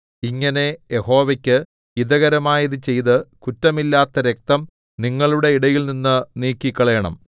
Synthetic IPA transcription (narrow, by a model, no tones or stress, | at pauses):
iŋːɐne̞jeho̞ːʋɐkʲːɨ | iðɐɣɐɾɐmaːjɐðɨt͡ɕe̞jðɨkutːɐmilːaːt̪ːɐɾe̞k̚t̪ɐm | niŋːɐɭuɽe̞iɽɐjilninːɨniːkːikʲːɐɭeːɐɳɐ̰m